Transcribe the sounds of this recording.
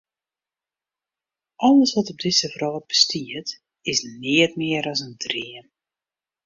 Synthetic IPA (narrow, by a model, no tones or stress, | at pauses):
ʔɔlˠəsʋɔtɔb̚dɪsəvrɔlˠəb̥əstiət | ɪsnɪətmɪəɾɔsəndriəm